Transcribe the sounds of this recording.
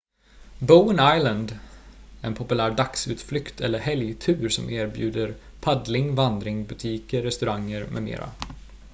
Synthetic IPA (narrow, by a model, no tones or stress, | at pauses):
bəʊənajlənd̪ | ɛnpʰɔpɵlæːɾɖaksʉːt̪flʏkt̪ʰɛlːəɾɦɛljt̪ʰʉ̟ːɾsɔ̰mʔeːɾbjʉ̟ːd̪əɾ | pʰad̪lɪŋvand̪ɾɪŋbɵt̪ʰiːkəːɛst̪ɵɾaŋːəɾmɛ̰mḛːɾa̰